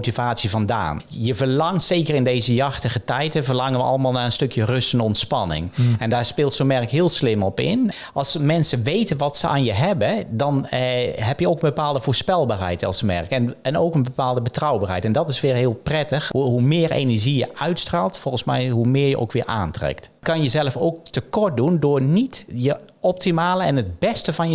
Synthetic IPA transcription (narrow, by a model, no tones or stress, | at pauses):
otivaːtsivɑnda̰ːn | jəvəɹlɑŋtseːkərɪndejzəjɑxtəɣətɛjtəvərlɑŋənʋəʔɑ̰ləmaːlˠnaːrənstɵkjərɵstəndəɔntspɑnɪ̰ŋɛndaːɹspɪːlˠtsomɛrkɦɪːlˠslɪmɔpɪ̰n | ʔɑlˠsmɛnsəʋejtənʋɑtsəʔa̰ːnjəɦɛbədɑnɦɛpjəowkənbəpaːlˠdəvoːɹspɛlˠbaːrɦɛ̰jtɑ̰lˠsmɛ̰rkɛnɛnoːkənbəpaːlˠdəbətrɔwbaːɹrɦɛjtɛndɔtɪsʋɪːɹɦɪːlˠprɛtəxɦumɪːrḛːnəɹʒijəʔœɥtstraːlˠtfɔlˠxənsmɛ̰jɦumɪːjəʔo̰wkʋɪːɹʔa̰ːntrɛ̰ktkɑnjəzɛləfoːk̚təkɔɹt̚dundʊːɹnitjə | ɔp̚timaːləɛnət̚bɛstəvɑnjə